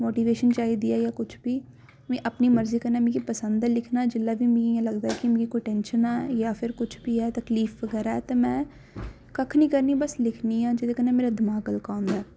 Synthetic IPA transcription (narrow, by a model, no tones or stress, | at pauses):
moːʈiːʋeːʃənt͡ʃaːiːd̪iːɛːjaːkʊt͡ʃʰbiː | mẽːʔəpniːməɾziːkəɾnaːmĩːkipəsənd̪ɛlɪkʰnaːd͡ʒɪlːaːbiːmĩiãləɡd̪aːɛkimẽːɡiːkoiʈɛ̃ːnʃənaːjaːpʰɪɾkʊt͡ʃʰbiːɛːt̪əkliːfʋəɡɛːɾaːɛːt̪eːmɛ̃ː | kəkʰnĩːkəɾniːbəslɪkʰniːãːd͡ʒɪd̪eːkənːeːmeːɾaːd̪ɪmaːɡəlkaːʊnd̪aː